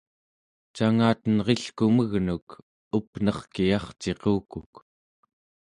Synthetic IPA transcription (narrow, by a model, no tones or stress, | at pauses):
t͡ʃaŋaːt̪ənʁe̞ɬkuməɣnuk | upnʌχkijɑχt͡ʃe̞quːkuk